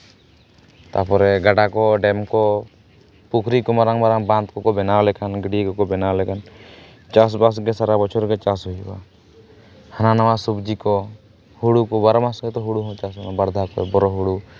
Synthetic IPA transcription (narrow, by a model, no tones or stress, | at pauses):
t̪apɔɾɛɡaɖakɔɖɛmkɔ | pukʰɾikɔmaɾaŋmaɾaŋbant̪kɔkɔbɛnalɛkanɡiɽikɔkɔbɛnalɛkan | t͡ʃas̬bas̬ɡɛsaɾabɔt͡ʃʰɔɾɡɛt͡ʃasɦujiba̰ | hananawasubd͡ʒikɔ | huɽukɔbaɾɔmasɡɛt̪ɔɦuɽuɦɔ̃t͡ʃasɛkabaɾd̪ʱakɔɛ̰bɔɾɔɦuɽu